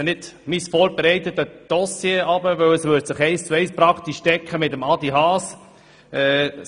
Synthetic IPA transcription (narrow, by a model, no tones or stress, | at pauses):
nɪd̥misfɔːɾbeɾɛɪt̪ət̪əd̥ɔsjeɑbəʋɵwɛsʋʏːɾtsəχɛɪst͡suɛɪspɾɑkt̪iʃtɛkχəmɪtəmɑd̪iɦɑːs | ɛː